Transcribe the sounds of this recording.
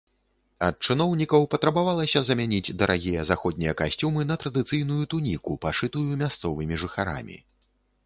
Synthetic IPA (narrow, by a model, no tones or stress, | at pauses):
ɐt̪̚t͡ʂɨnɔwnʲikɐwpɐt̪ɾɐbavalˠɐsʲɐzɐmʲanʲid͡zʲd̪ɐɾʔaɣʲijɐzaxɔd̪nʲijɐkasʲt͡sʲumɨnɐt̪ɾɐd̪ɨt̪sɨjnujut̪unʲikupaʂɨt̪ujumʲast̪sɔvɨmʲiʐɨxaɾa̰mʲḭ